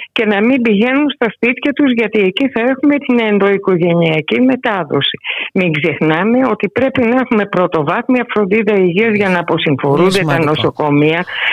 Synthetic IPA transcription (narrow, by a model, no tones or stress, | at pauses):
ce̞nɐmimbiʝe̞nunst̪ɐspit̪çɐt̪uzʝɐt̪ie̞ciθɐe̞xume̞t̪inend̪o̞iko̞ʝe̞niɐcime̞t̪ɐðo̞̰si̥miŋɡze̞xnɐme̞o̞t̪ipɾe̞pinɐexume̞pɾo̞t̪o̞vɐθmiɐfɾo̞nd̪iðɐiʝiɐzʝɐnɐpo̞siɱfo̞ɾund̪et̪ɐno̞so̞ko̞miɐ